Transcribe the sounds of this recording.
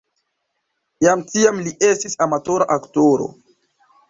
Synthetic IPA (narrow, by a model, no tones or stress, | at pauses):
jamtiamliʔe̞stisamatoɾaʔaktoɾo̞̰